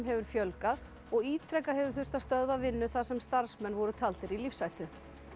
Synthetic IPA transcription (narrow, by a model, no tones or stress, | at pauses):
mɦɛvʏɾ̥fjœlkað | ɔɣiːt̪ʰɾɛkahɛvʏɾ̥θʏr̥t̪ast̪œðvavɪnːʏθḁsɛmst̪aɾ̥smɛnvɔɾʏt̪ʰalt̪ɪɾilifsajt̪ʏ